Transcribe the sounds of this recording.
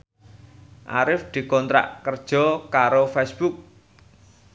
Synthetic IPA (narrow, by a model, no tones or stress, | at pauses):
ʔa̰ɾɪfd̪̥i̤kɔnt̪ɾa̰ʔkərd̥ʒ̥ɔ̤kaɾofɛsb̥uk̚